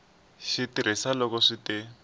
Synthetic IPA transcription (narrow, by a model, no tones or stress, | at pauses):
ʃitiɾ̤ʔisalɔkɔʂiti